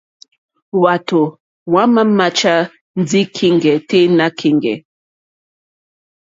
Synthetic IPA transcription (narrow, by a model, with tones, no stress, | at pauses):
wa˨to˨ | wa˦ma˦ma˦t͡ʃa˦ | n˦d͡zi˦kʰi˦ŋɡɛ˨te˦na˦kʰi˨ŋɡɛ̰˨